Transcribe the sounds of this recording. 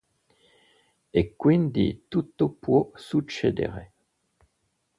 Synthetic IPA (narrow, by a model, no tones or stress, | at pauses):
ekwind̪ḭt̪ut̪opwosut͡ʃḛd̪ḛʁe